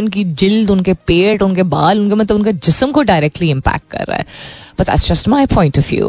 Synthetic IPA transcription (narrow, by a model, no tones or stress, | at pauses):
nk̬id͡ʒɪld̪ʊnkepeːʈʊnkebaːlʊnkemɐt̪ləbʊnked͡ʒɪsəmkoɖaɪɾɛk̚ʈliɪ̃mpæ̰k̚ʈ̚kɐ̰ɾːa̰ɦɛ̰b̥ɐt̪̚d̪æ̰ʈsd͡ʒɐsʈmaɪpʰɔ̃ɪ̃nʈɔʋjṵː